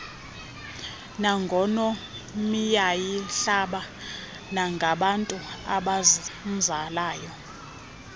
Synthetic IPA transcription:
naŋɡʱɔnɔ | mijajiɬaɓa | naŋɡʱaɓantʼuaɓazm̩zalaːjɔ

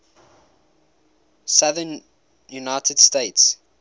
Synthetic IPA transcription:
saðən | junaɪtʰəd̥steɪts

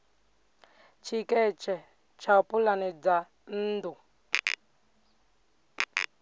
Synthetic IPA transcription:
t͡ʃʰikɛt͡ʃʰɛ | t͡ʃʰapulanɛd͡za | n̩ːd̪u

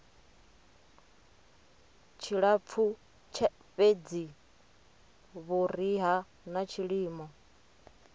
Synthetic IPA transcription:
t͡ʃʰiɺap̪fʰu | t͡ʃʰa | ɸed͡zi | βuɾiɦa | nat͡ʃʰiɺiːmɔ

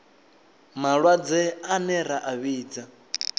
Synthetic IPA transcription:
maɺwad͡zɛanɛɾaʔaβiːd͡za

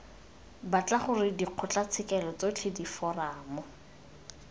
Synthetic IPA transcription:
bat͡ɬaχʊrɪdiq͡χʰʊt͡ɬat͡sʰɪkɛlɔt͡sot͡ɬʰedifɔraːmɔ

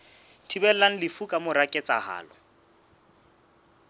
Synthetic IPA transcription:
tʰibɛl̩laŋ̩lɪfukʼamʊɾakʼet͡sʼaha̰ːlɔ

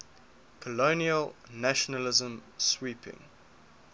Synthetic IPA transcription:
kʰɔloniəlnaʃɔnəlɪzə̃mswiˑpʰɪ̰̃ŋ

